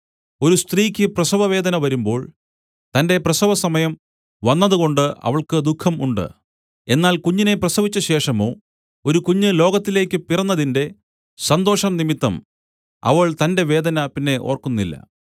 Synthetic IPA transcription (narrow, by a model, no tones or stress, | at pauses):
o̞ɾust̪riːkʲːɨprɐsɐʋɐʋe̞ːd̪ɐnɐʋɐɾumbo̞ːɭ | t̪ɐnde̞prɐsɐʋɐsɐmɐjɐm | ʋɐnːɐðuɣo̞ɳɖɨɐ̰ʋɐɭkɨd̪ukʰːɐmuɳɖɨ̰ | e̞nːaːlkuɲːine̞prɐsɐʋit͡ɕːɐɕe̞ːʂɐmo̞ː | o̞ɾukuɲːɨlo̞ːɡɐt̪ːile̞ːkʲːɨpirɐnːɐðinde̞ | sɐnd̪o̞ːʂɐmnimit̪ːɐm | ɐ̰ʋɐɭt̪ɐnde̞ʋe̞ːd̪ɐnɐpinːe̞ʔo̞̰ːrkunːilːɐ̰